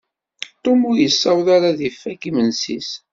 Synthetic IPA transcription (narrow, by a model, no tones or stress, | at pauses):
t̪ʊmʊɾjəsːæwðaɾaðifːækimənsḭs